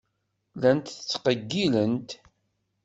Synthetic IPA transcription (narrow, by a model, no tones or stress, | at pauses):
lænt̪θt͡sːqəɡːilənt̪